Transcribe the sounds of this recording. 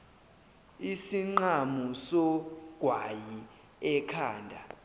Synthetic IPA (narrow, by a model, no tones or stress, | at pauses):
isiŋ͡ǃamusɔɡ̥ʱwaji | ɛkʰaːndʱa